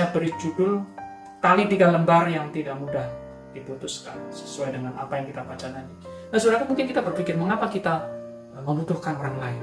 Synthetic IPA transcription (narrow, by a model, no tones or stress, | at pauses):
abəɾid͡ʒudʊl | t̪alidiɡaləmbarjaŋt̪idaʔmudah | d̥iput̪ʊskansə̥suajdəŋanapajaŋkit̪apat͡ʃanani | nasuɾakamuŋkɪnkit̪abərfikɪrməŋapakit̪a | məmbut̪ʊhkanoɾaŋlaɪ